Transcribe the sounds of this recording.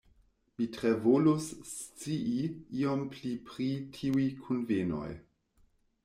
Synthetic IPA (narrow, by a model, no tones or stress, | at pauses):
mitɾevolust͡siʔiiomplipɾitʰiujkʰunveno̰j